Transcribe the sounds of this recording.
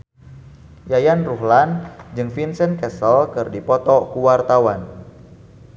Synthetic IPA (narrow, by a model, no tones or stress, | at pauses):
jajanruɦland͡ʒɨŋfinsənkɛsəlkɨrdipɔt̪ɔkuwart̪awan